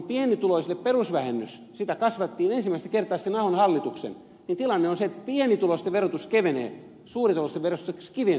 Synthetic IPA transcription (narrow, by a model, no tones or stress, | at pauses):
mpienit̪uloisilːepperusʋæhenːys | sit̪ækɑsʋɑt̪ːiːnensimæist̪ækert̪ɑːsenɑhonhɑlːit̪uksḛn | nint̪ilɑnːeonseet̪pienit̪ulost̪eʋerot̪uskeʋenḛː | suːrit̪olost̪eʋerost̪usekskiʋen